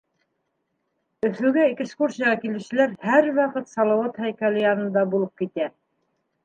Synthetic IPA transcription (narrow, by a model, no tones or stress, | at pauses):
ɵ̆θɘ̆wɡæikɘskuɾsʲijɑʁɑkilɘ̆ʃɘ̆læɾhæɾwɑqɤt̪sɑlˠɑwɑt̪hæjkælɘjɑnɤ̆nd̪ɑbulˠɤp̚kit̪æ